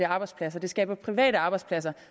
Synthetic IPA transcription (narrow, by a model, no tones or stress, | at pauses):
əɑ̈ːb̥ɑ̈ɪspʰlæs̬ɐd̥e̝sɡ̥ɛ̰ːb̥ɐpʰʁiʋɛ̰ːɾəɑ̈ːb̥ɑ̈ɪdspʰlæs̬ɐ